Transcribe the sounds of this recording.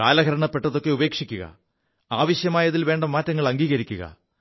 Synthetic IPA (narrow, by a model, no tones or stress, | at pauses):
kaːlɐɡɐɾɐɳɐpːe̞ʈːɐðo̞kːe̞ube̞ːkʂikʲːuɣɐ̰ | aːʋɐɕjɐmaːjɐðilʋe̞ːɳɖɐmːaːtːɐŋːɐɭɐŋɡiːɣɐɾikʲːuɣɐ̰